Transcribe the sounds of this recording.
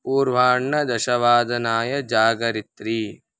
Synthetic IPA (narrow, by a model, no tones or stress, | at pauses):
puːɾʋaːɳːɐd̪ɐʃɐʋaːd̪ɐnaːjɐd͡ʒaːɡɐɾit̪ɾiː